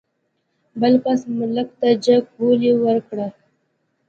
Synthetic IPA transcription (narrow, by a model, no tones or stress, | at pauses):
bəlpasmʊlək̚t̪ad͡ʒaɡ̚boliwəɾkɽa